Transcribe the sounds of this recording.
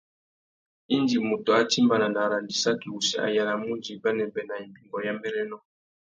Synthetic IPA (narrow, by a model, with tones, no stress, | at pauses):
i˦ndi˨mu˨to˨a˦ti˦mba˨na˨nda˨ɾa˨ndi˨sa˦ki˨u˨sɛ̰˨a̰˨ja˨la˨mu˦nd͡ʒi˨ba˦nɛ˨bɛ˨na˨i˨mbi˨ŋɡɔ˨ja˦mbɛ˦ɾɛ˦nɔ˦